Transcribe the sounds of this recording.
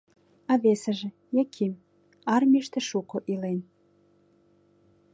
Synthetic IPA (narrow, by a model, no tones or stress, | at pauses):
ɑβesə̆ʒĕ | jɑkʰim | ɑrmʲiʃt̪ĕʃukoʔilen